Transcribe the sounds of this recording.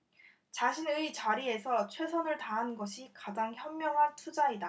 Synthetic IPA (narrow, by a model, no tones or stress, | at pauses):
t͡ɕaɕʰinɯit͡ɕaɾie̞sʰʌt͡ɕʰwe̞s̬ʰʌnɯɭtaɦanɡʌɕʰikad͡ʑaŋçjʌmːjʌŋɦantʰud͡ʑaida